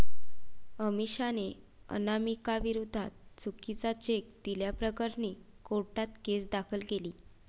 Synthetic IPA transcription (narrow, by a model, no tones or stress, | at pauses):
əmiɕaneə̰namikaʋiɾud̪ʱːat̪̚t͡sukːit͡sat͡ɕek̚d̪̥iljapɾəkəɾniː | koɾʈat̪ɡesd̪akʰəlɡeliː